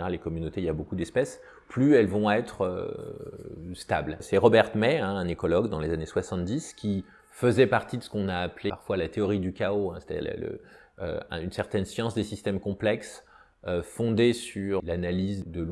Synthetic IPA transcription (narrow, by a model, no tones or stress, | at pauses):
eʁalːekɔmynot̪eiljabokud̪ɛspɛs | plyɛlvɔ̃ɛt̪χø̰ | st̪ablsɛʁɔbɛʁt̪mɛɛ̃ɛ̃nekɔlɔɡd̪ɑ̃lezaneswasɑ̃t̪̚d̪iskʲi | fəzɛpaʁt̪id̪əsə̥kɔ̃naːpleaʁfwalat̪eɔʁid̪ykʲaoɛ̃se̥t̪ad̪ḭʁl̰lə̰ | ø̰ɛ̃ynsɛʁt̪ɛnsjɑ̃sd̪esist̪ɛmkɔ̃plɛks | øfɔ̃d̪esyʁlanalizd̪ə